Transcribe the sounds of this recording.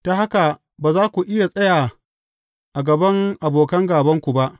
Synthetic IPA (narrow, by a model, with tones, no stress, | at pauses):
ta˦ɦa˦ka˨ | baː˨zaː˦kʷu˨ʔɪ˦ja˨sʼɐ˦jaː˨ | ʔa˨ɡɐ˨bɐ˦ŋʔa˨boː˨kɐ˦ŋɡaː˨bɐ˦ŋkʷu˨ba˦ʔ